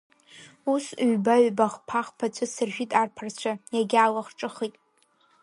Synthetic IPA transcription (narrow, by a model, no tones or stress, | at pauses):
usɥbaɥbaχpʰaχpʰat͡ʃʷʰɨsɨrʒᶣʷitʼarpʰart͡ɕʷʰajaɡʲaːlaχʈ͡ʂʼɨχitʼ